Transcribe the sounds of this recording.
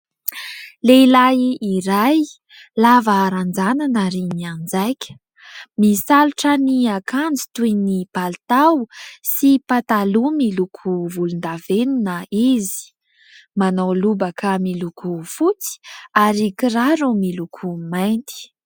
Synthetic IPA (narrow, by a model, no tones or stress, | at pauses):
leilajiɾaj | lavaːɾand͡zananaɾiniand͡zajkʲə̥ | misaluʈ͡ʂəniakand͡zit̪ujnipalt̪awsipat̪alumilukʰuvulund̪avenunəizi̥ | manawlubəkʰamilukufut͡si̥aɾikiraɾumilukʰumajnt̪i̥